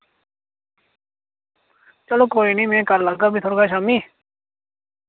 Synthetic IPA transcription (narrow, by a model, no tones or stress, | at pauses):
t͡ʃəloːkoːiniːmẽːkəɾlaɡaːbʱiːt̪ʰoːɾɡaʃaːmiː